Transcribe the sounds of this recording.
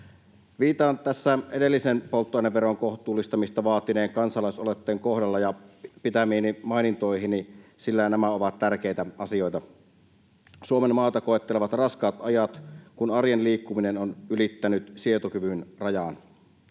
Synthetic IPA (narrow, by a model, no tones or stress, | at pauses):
ʋiːt̪ɑːnt̪æsːæedelːisenpolt̪ːoɑˑineʋʋeroŋkoht̪ˑuːlːist̪ɑmist̪ɑʋɑːt̪ːˑineːŋkɑnsɑlɑˑisolet̪ːeːŋkohdɑlːɑjɑpit̪æmiːnimɑinint̪oˑihinisilːænæmæoʋɑt̪t̪ærkeˑit̪æɑsijoˑjt̪ɑ | suomemmɑːt̪ɑkoet̪ːeleʋɑt̪rɑskɑːt̪ʔɑjɑt̪kunɑrjenliːkːuminenonʔylit̪ːænyt̪siet̪okyʋynrɑjɑn